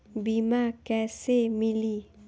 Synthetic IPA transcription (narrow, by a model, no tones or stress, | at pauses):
bimakɛsemili